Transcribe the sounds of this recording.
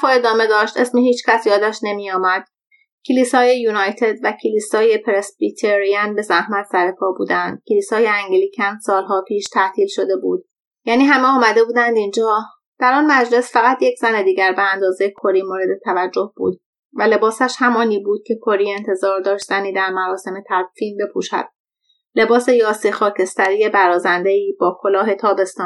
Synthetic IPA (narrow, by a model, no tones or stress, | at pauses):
fɔːe̞d̪ɒːme̞d̪ɒːʃt̪ʔe̞smiːɦiːt͡ʃʰcʰæsjɒːd̪æʃne̞mijɒːmæd̪̥̚ | cʰiliːsɒːje̞juːnɒjt̪ʰe̞d̪væcʰiliːsɒːje̞pʰeɾesbit̪ʰeɾiænbe̞zæhmæt̪ʰsæɾepʰɒːbṵːd̪ænd̪̥̚cʰeliːsɒːjeæŋɡliːcʰænd̪sɒːlɦɒːpʰiːʃt̪ʰæt̪ʰiːlʃo̞d̪e̞bṵːd̪̥̚ | jæːniːɦæmeɒːmæd̪e̞buːd̪ænd̪ind͡ʒɒː | d̪̥æɾɒːnmæd͡ʒle̞sfæɣæt̪ʰjecʰz̥æne̞d̪iːɟæɾbeænd̪ɒːzejekʰo̞ɾiːmoːɾe̞d̪e̞t̪ʰævæd͡ʒːo̞hb̥ṵːd̪̚ | væle̞bɒːsæʃhæmɒːniːbuːd̪̥̚cʰe̞kʰo̞ɾie̞nt̪ʰe̞zɒːɾd̪ɒːʃt̪æniːd̪æɾmæɾɒːse̞me̞t̪ʰædfiːnbe̞pʰuːʃæ̰d̪̥̚ | le̞bɒːse̞jɒːsiːxɒːcʰe̞st̪æɾiːje̞bæɾɒːzænd̪e̞iːbɒːkʰo̞lɒːɦe̞t̪ʰɒːbe̞st̪ɒːn